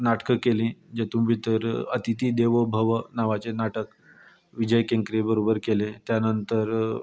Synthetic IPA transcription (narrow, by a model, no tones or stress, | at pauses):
naʈkəkelĩːd͡ʑet̪ũmbʱit̪əɾət̪it̪iːd̪eʋobʱəʋənaʋat͡senaʈək | ʋid͡ʑəjkẽŋkɾebəɾobəɾkelẽt̪janənt̪əɾ